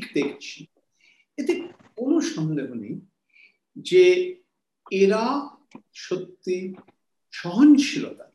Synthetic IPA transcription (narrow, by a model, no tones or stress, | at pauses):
kd̪ekʰt͡ɕʰi | et̪ekonoʃɔnd̪eɦonḛj | d͡ʑe | eɾa | ʃot̪ːi | ʃɔɦonʃʰilot̪a